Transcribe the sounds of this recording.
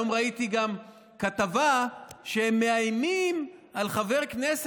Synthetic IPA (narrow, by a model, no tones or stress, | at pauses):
omʁait̪iɡam | kat̪avaʃehemːe̞ajmimalχave̞ʁknes